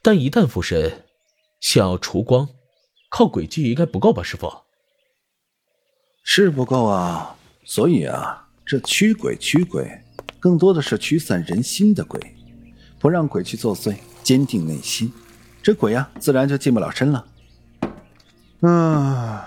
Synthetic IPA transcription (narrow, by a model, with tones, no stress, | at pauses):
t̪a˥˩ni˧˥t̪a˥˧nfu˥˩ʂə˧˥ | ɕjɑ˥˧ŋjɑ˥˩ʊʈ͡ʂʰu˧˥kwɑ˥ŋ | kʰɑ˥˩ʊkwe˨˩t͡ɕy˥˩i˧˥ŋka˥ɪpu˧˥ko˥˩ʊbɐ˨˩ʂɻ̩˥˩fo̰˨˩ | ʂɻ̩˥˩p̬u˧˥ko˥˩ʊɐ˨˩ | swɔ˧˥i˨˩ɐ̰˩ | ʈ͡ʂɤ˥˩t͡ɕʰy˥kwḛ˨˩ɪt͡ɕʰy˥kwḛ˨˩˦ɪ | kɤ˥˩ŋt̪wɔ˥d̪ə˨ʂɻ̩˥˩t͡ɕʰy˧˥sə˨˩nɻə˧˥nɕi˥nd̪ə˨kwḛ˨˩˦ɪ | pu˧˥ɻɑ˥˩ŋkwe˨˩ɪt͡ɕʰy˥˧t͡swɔ˥˧swe˥˩ɪ | t͡ɕjɛ˥nt̪i˥˧ŋne˥˩ɪɕi˥n | ʈ͡ʂɤ˥˩kwe˨˩ɪɐ˧t͡sɹ̩˥˩ɻa˧˥nt͡ɕjʊt͡ɕi˥˧mpu˥˩lɑ̰˨˩ʊʂə˥nlə˨˥˩